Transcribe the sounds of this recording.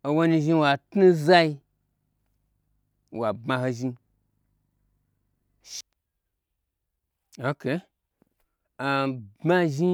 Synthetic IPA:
o˧wo˧ni˧ʒi˧wa˨tnu˦za˦i˧ | wa˨bma˧ho˧ʒi˧ | ʃ | o˨ke˨˦ | a˨ba˦˧ʒi˦

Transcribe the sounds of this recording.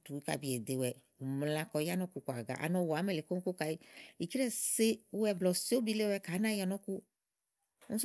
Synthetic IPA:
tu˨wi˦ka̰˨bi˨ɛ˨de˨wɛ˨ | m˨lã˨kɔ˨ja˦nɔ̃˦ku˨kʷa˨ɡa̰˨ʔa̰˨nɔ̃˨wa˨˦mɛ˨le˨ko˦ŋ˦ko˦ka˨e˦i˨t͡ʃi˦ɾɛ˦se˦ɛ˨blɔ˨so˦bi˦le˦wɛ˦˨ka˨˦nã˦ja˨nɔ̃˦ku˦ | ŋ̩˦s

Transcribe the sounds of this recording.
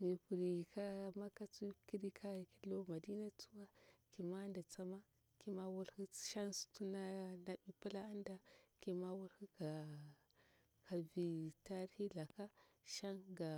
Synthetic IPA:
mi˨pu˨ɾi˨ka˦ma˦ka˦t͡su˦ki˦ɾi˦kʰa˦˨ki˦lo˦ma˨di˦na˦t͡su˦wa˦ki˨ma˦nda˨t͡sa˦ma˦ | ki˦ma˦wu˦lhi˦ʃa˦nstu˦na˦na˨bi˨pu˦la˦a˦nda˦ki˨ma˦wu˦lhi˦ka˨ | ka˨vi˨ta˦ɾhi˦ɮa˨ka˦ | ʃa˦nɡa˨

